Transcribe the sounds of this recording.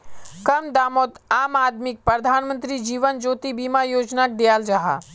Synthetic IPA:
kɐmd̪aːmot̪aːmaːd̪mɪk̚pɾəd̪ʱaːnmə̃nt̪ɾid͡ʒiːʋənd͡ʒoːt̪ibiːmajoːd͡ʒnak̚d̪ejaːld͡ʒaɦa̰

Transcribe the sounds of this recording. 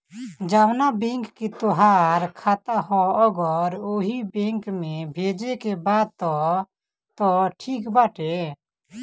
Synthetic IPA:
d͡ʒaʋnabẽŋkːit̪oɦaːɾkʰaːt̪aɦɔɔɡəɾoɦibẽŋkmẽbʱeːd͡ʒekebaːd̪̚t̪ɔ | t̪ɔʈʰiːkbaːʈʰe

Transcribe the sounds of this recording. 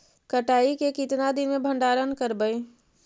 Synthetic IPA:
kəʈaːikekɪt̪nad̪ɪnmẽbʱə̃ɳɖaːɾənkəɾbəe

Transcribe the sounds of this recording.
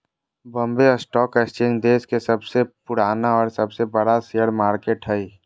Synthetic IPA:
bə̃mbeɔsʈɔːkest͡ʃẽːnd͡ʒd̪eːskesəbsepʊɽaːnaɔːɾsəbsebəɽaseəɽmaːɾkeːʈɦɛi

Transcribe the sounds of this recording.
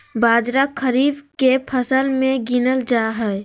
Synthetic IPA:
baːd͡ʒɾakʰəɾiːbkepʰəsəlmẽɡinəld͡ʒaɦɛ

